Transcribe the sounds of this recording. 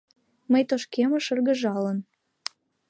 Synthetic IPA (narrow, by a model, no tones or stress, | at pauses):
məjt̪oʃkemə̆ʃɤ̆rɣə̆ʒɑlən